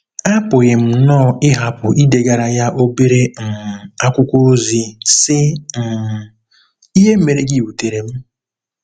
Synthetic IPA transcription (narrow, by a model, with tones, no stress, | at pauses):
a˦pʊ˨ɣɪ˨m̩˨nɔ˦˨ɪ˦ɦa˨pʊ˨ʔi˦de˨ɡa˨ɾa˨ja˦ʔo˦be˦ɾe˦m̩˨a˦kʷʊ˦kʷo˦zi˦sɪ˦˨ | i˦ɦe˦m̩˦me˨ɾe˨ɡi˦˨wu˨te˨ɾe˨m̩˦